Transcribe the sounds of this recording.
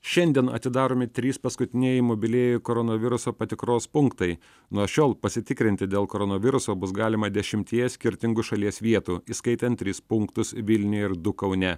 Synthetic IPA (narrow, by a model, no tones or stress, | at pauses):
ʃʲɛnʲd̪ʲiɛnɐ̰t̪ʲɪd̪ɑːɾoːmʲɪt̪ʲɾʲiːspɐskʊt̪ʲɪnʲɛjɛɪmobʲɪlʲeːjʊkoːɾɔnoːʋʲɪɾʊsoːpɐt̪ʲɪkɾoːspʊŋkt̪ɐɪ | nuɔʃʲoːlˠpɐsʲɪt̪ʲɪkɾʲɪnʲt̪ʲɪd̪ʲeːlˠkoːɾɔnoːʋʲɪɾʊsoːbʊsɡɑːlʲɪmɐd̪ʲɛʃʲɪmʲt̪ʲiɛjɛsʲkʲɪɾʲt̪ʲɪŋɡʊʃɐlʲiɛsʋʲiɛt̪uːiːskɐɪt̪ʲɛnt̪ʲːɾʲiːspʊŋkt̪ʊsʋʲɪlʲnʲʊjɪɾd̪ʊkɐʊnʲɛ